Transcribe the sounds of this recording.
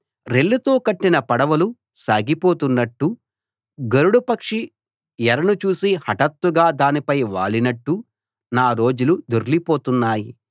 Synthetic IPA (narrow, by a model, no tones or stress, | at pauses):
ɾe̞ɭːut̪o̞ːkɐʈːinɐpɐɽɐʋɐlu | saːɡipo̞ːt̪unːɐʈːu | ɡɐɾuɽupɐkʂi | jɐɾɐnut͡ʃuːsihɐʈɐt̪ʋuɡaːd̪aːnipɐjʋaːɭinɐʈːu | naːɾo̞ːd͡ʒulud̪oɾlipo̞ːt̪unːaːji